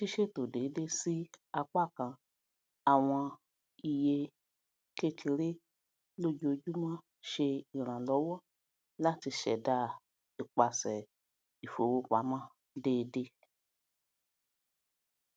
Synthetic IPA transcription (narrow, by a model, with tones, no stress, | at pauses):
ti˦ʃe˦to˨deː˨˦de˦si˦a˧k͡pa˦˨kã˧ | a˨w̃ã˧ | i˧je˧ | ke˦kʰi˧ɾe˦ | lo˦d͡ʒo˧d͡ʒu˦mã˦ | ʃe˧i˨ɾ̃ã˨lɔ˨˦wɔ˦ | la˦ti˧ʃɛ̰˨da˧˦ | i˨k͡pa˧sɛ˨ | i˨fo˨wo˧k͡pa˨˦mã˦ | deː˨˦de˦